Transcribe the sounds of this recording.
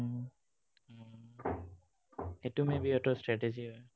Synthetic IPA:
etumebiɔtɔstɹɛteziɦɔj

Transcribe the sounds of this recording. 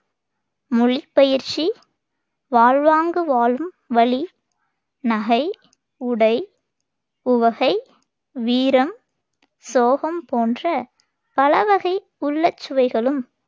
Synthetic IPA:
mʊɭipːɐjɪɾt͡ʃi | ʋaːɻʋaːŋɡɯʋaːlɯm | ʋɐɭi | nɐɣɐɪ | ʊɽɐɪ | ʊʋɐɣɐɪ | ʋiːɾɐm | soːɣɐmpoːndrɐ | pɐlɐʋɐɣɐɪ | ʊɭːɐt͡ʃːɯʋɐɪɣɐɭɯm

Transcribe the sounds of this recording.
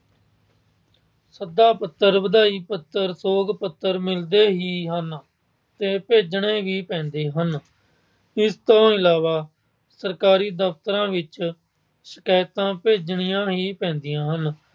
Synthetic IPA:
səd̪aːpət̪ːəɾʋəd̪aːiːpət̪ːəɾsoːɡpət̪ːəɾmɪld̪eːɦiːɦən | t̪eːpeːd͡ʒɳẽːʋiːpɛ̃ːnd̪eːɦən | ɪst̪õːɪlaːʋaː | səɾkaːɾiːd̪əft̪əɾãːʋɪt͡ʃ | sə̥kaːɪt̪ãːpeːd͡ʒɳɪjãːɦiːpɛ̃ːnd̪ɪjãːɦən

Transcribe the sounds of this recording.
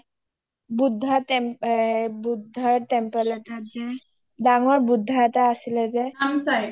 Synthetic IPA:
bud̪ʱːət̪emebud̪ʱːət̪empəlet̪ad͡ze | d̪aŋəɭbud̪ʱːat̪aəsled͡zeamsaj

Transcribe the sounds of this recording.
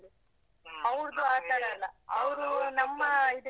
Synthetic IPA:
i | ɐʋɾd̪uaːt̪aːɽɐlːɐɐʋɐɾunɐmːɐid̪u

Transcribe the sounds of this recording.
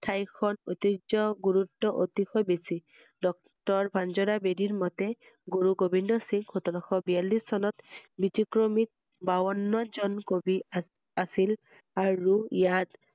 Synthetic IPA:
tʰajkʰɔnotid͡ʒɔɡuɹutːɔʔotixɔjbesi | dɔk̚ | tɔɹbʱanzɔɾabediɹmɔtɛ | ɡuɹuɡobʱindɔsiŋkʰotɔɾɔxɔbijalːisːɔnɔtbitikɹomit̚ | bawɔnːɔzɔnkobi | asil | aɹujat

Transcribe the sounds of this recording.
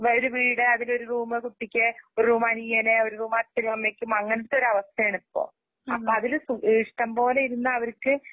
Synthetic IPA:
oɾuʋiːɽɨɐðilo̞ɾuruːmɨkuʈːikʲːɨoɾuruːmaːnijɐneo̞ɾuruːmaːt͡ɕːɐɾiɐmːeːkʲːumɐŋːɐnɐʈ̪ːo̞ɾuɐʋɐst̪ʰɐeɳipːo̰ː | ɐ̰pːoɐðilsuʔiːʂʈɐmpo̞ːlejiɾunːɐːʋɐɾkːɨ

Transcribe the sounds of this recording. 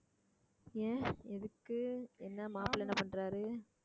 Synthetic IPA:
ẽːɛðɯkːɯɛnːɐmaːpɪlɐɛnːɐpɐɳɾaːɾɯ

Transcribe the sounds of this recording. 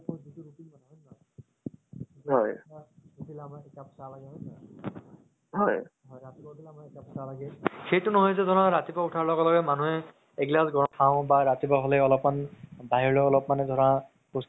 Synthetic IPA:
kɔɹzituɹupilmanaɔnma | ɦɔjautilamaɛtapɔ̥salaɡɛɦɔjsa | ɦɔjɦɔjɹatipautʰilamaɛkapɔsalaɡɛxejtʊnɔɦɔjzɛzʱɔnãɹatipautʰaɹlɔɡɔlɔɡɛmanuɦɛ | ɛɡlasɡɔɹɔtʰaʊ̃baɹatipaɦɔlɛɔlɔpmanbaɦiɹlɔɔlɔpmanɛdʱɔɹã | pos

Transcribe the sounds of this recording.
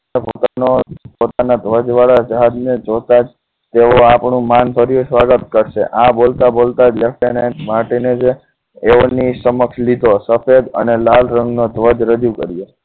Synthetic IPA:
epot̪anopot̪anad̪ʱʋəd͡ʒʋaɭad͡ʒəɦad̪ned͡ʒot̪ad͡ʒ | t̪eʋoapɳũmanbʱəɾjosʋaɡət̪kəɾʃeʔãbolt̪abolt̪ad͡ʒlefʈenemaʈened͡ʒeː | onisəməkslid̪ʱosəfed̪ə̰nelalɾə̃ŋɡnod̪ʱʋəd͡ʒɾəd͡ʒukə̰ɾije

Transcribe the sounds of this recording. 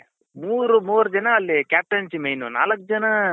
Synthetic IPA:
muːɾumoːɾd͡ʒɐnɐːlːikʲaːp̚ʈɐnt͡ʃimejnuna̰ːlɐk̚ːd͡ʒɐnɐ

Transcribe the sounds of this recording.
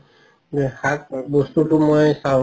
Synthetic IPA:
hat̪̚bostutumɔjsã

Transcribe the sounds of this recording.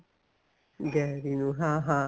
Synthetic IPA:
ɡɛɾinuɦaɦa

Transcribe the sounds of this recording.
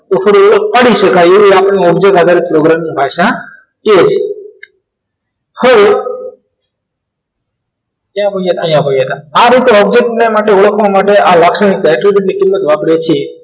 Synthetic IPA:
t̪ofʰəɾiəɭək̚paɽiʃəkajeʋiapɳ̃ĩɔbd͡ʒek̚ʈad̪ʱaɾipɾoɡɾamnibʱaʃa | ket͡ʃʰe | həʋe | k̪jãbəiet̪əjãbəiet̪aaɾit̪eɔb̚d͡ʒek̚ʈnemaʈeəɭəkʰʋamaʈeʔalakʃanikɛʈɾibʱuʈnikɪmːət̪ʋapɽet͡ʃʰe

